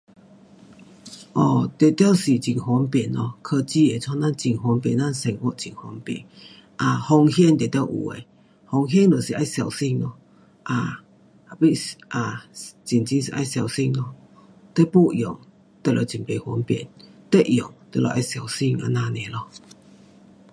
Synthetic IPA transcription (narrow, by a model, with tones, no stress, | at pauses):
ʔɔ˧˩t̪e˨t̪ja˥˧wsi˨˩t͡ɕi˨˩nhwɔ˧˦npɛ˨˩nlɔ˧kʰə˧t͡ɕi˧˨e˨˩t͡sʰɔ˧na˥˨nt͡ɕi˨˩nɦwɔ˧˦npjɛ˨˩˨nːa˥˨nsɛ˧˩ŋʔɔ˧˦˨t͡ɕi˨˩ŋhwɔ˧˦npjɛ̰˨˩n | ʔa˧hɔ˧ŋhjɛ˥˧˨nt̪e˨˩t̪ja˥˧wʔṵ˨˩ḛ˨ | hɔ˧˩ŋɦjɛ˥˧nlɔ˨˩si˨ʔa˧˥˨jsja˨˩wsi˥˧ŋlɔ˧ | ʔa˧ | a˨˧pi˦˧˨ʔa˨˩t͡ɕi˨˩nt͡ɕi˧˦nsi˨ʔa˧jsja˨˩wsi˧ŋlɔ˧ | t̪e˥˦po˥˧˨jɔ̰˨˦ŋ | t̪ə˧˨lɔ˧˩t͡ɕi˨˩npe˨˩hɔ˧˦npjɛ̰˨˩nt̪e˦˧ʔjɔ˨˩˦ŋt̪ə˧˩˨lɔ̰˧˩ʔa˧jsja˨˩˨wsi˥˧ŋa̰˧nã˧nẽ˨lɔ˧